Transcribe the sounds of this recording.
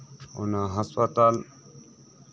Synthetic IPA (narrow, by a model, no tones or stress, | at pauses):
o̰naɦəspat̪al